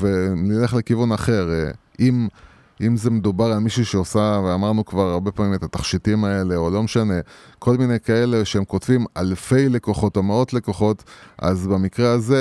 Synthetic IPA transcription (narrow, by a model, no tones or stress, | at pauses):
venileχle̞kivunaχe̞ʁ | im | ʔimze̞medubaʁalmiʃuʃeosaveamaʁnukvaʁaʁbe̞pamimet̪at̪aχʃitimae̞le̞olo̞meʃane̞kʰo̞lminejkae̞le̞ʃeemko̞tvimalfe̞jle̞ko̞χo̞to̞meo̞tle̞ko̞χo̞ta̰zbemikʁeaze